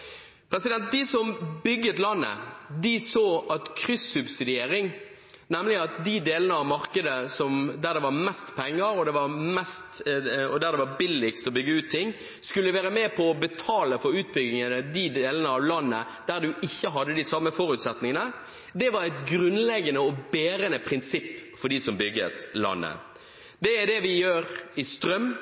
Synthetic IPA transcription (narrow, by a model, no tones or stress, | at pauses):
pʰɾɛsɪd̪ɛnt̪̚d̪ɪsɔmbʏɡːət̪lɑnːə̰d̪ɪsoːʔɑt̪kʰɾʏsːʉbsɪd̪ɪeːɾɪŋ | nɛmlɪɑt̪̚d̪ɪd̪eːlənəɑʋmɑʁkəd̪əsɔmd̪æʁd̪ɛʋɑʁmɛst̪pʰɛŋːəɾɔd̪ɛʋɑɾmɛst̪ɔd̪æʁd̪ɛʋɑbɪlːɪkst̪ɔbʏɡːəʉːt̪t̪ʰːɪŋ | skʉlːʉʋæːɾəmɛpʰɔːbət̪ʰɑːləfɔɾʉːt̪̚bʏɡɪŋənəd̪id̪eːlənəɑʋlɑnːə | d̪̥æɾd̪ʉʔɪçːəɦɑd̪ːəd̪ɪsɑmːəfɔɾʉt̪sɛt̪nɪŋənə | d̪ɛʋɑɾæɪt̪ɡɾʉnlɛɡənəɔbeːɾənəpʰɾɪnsɪpːfɔɾd̪iːsɔmbʏɡ̪ə̰t̪lɑ̰nːə̰ | d̪ɛæd̪ɛʋɪjøːɾɪst̪ɾœm